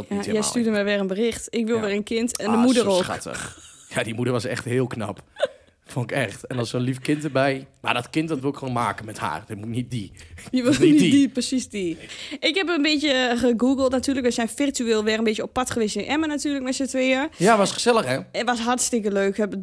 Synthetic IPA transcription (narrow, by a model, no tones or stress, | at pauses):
ajɛjstydəmɛʋɪrənbərɪxtɪkʋɪlˠʋɪlˠənkʰɪntɛndəmudəroa̰tə̰xjadimudəɹʋɔsɛ̰xthɪːlˠkna̰p | foɪkɛxtɛnɔlˠsonlifkɪntərbɛjma̰dɔtkɪnt̚dɔtʋɪlˠɪkχʋoːnma̰ːkənmɛtha̰ːrdɪtmutnit̚didiʋdipəsisdiɪkhɛpəənbɪtjəɣəɡuɡəlˠtnatyːləkʋɛsɛjfirtyɪːlˠʋɪrənbɪːtjəopːatχəʋɪsənʔɛmənatyːləkmɛtsətʋɪəjaʋɔsχəzɛləxɛɛʋɔsɦartstɪkəløːkhɛp